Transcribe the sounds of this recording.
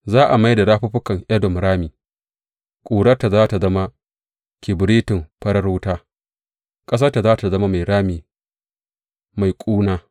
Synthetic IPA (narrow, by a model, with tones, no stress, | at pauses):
zaː˦ʔa˨ma˦jda˨ɽaː˦ɸʊ˦ɸʊ˦kɐ˨ŋʔɐ˦dɔ˨mɽaː˦miː˨ | kʷʼuː˨ɽɐ˦ta˨zaː˦ta˨zɐ˦ma˦ | kʲɪ˨bɾiː˦tɪ˨mpɐ˦ɾɐ˦ɾoː˦taː˦ | kʼɐ˦s̬ɐ˦rta˨zaː˦ta˨zɐ˦ma˦ma˨jɽaː˦miː˨ | ma˨jkʷʼuː˦naː˦